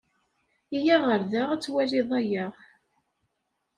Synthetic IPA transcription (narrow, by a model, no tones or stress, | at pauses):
ijaʁəɾðaʁæt͡sːwæliðˤæjəʁ